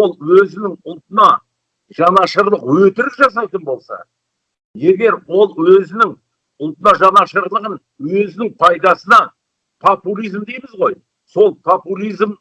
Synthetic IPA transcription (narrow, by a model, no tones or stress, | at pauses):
o̞lˠwɵzɪnɪŋʊlˠt̪ənɑ | ʒ̥ɑnɑʃəɾlˠəqwɵt̪ɪɾɪpʒɑs̬ɑt̪ənbo̞lˠsɑ̰ | je̞ɡʲe̞ɾwo̞lˠwɵzɪnɪŋ | ʊlˠt̪ənɑʒɑnɑʃəɾlˠəʁən | wɵzɪnɪŋpʰɑjd̪ɑsənɑ | pʰopulʲijzmd̪ejmɪzʁo̞j | so̞lˠpʰopulʲˠijzm